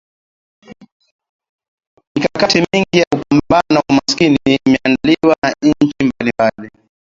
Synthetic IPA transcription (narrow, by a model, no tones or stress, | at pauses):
mikakatimiŋɡijaupambbanaumaskiniimɛandliwaɲ̩ɲ̩t͡ʃimbalimbali